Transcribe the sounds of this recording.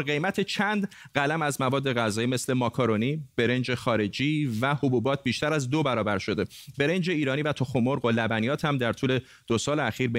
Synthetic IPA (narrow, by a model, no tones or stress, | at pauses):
ɢe̞jmæt̪ʰet͡ʃʰænd̪ | ɢælæmæzmævɒːd̪ːe̞ɣæzɒːjiːme̞sle̞mɒkʰoɾoniːb̥e̞ɾe̞nd͡ʒe̞xɒːɾe̞d͡ʒiːvæhobuːbɒːt̪̚ʰbiːʃt̪æɾæzd̪obæɾɒːbæɾʃo̞d̪e̞be̞ɾe̞nd͡ʒe̞iːɾɒːniːvæt̪ʰoxomoɾɢolæbænijɒːt̪ʰhæmd̪æɾt̪ʰuːle̞ | d̥̪osɒːleæxiːɾbe